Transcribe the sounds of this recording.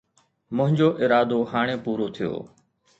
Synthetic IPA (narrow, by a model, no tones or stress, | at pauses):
mʊ̃ɦɪ̃ɲd͡ʑoːʔɪɾaːd̪oːhaːɽ̃eːpuːɾot̪ʰijo̰ː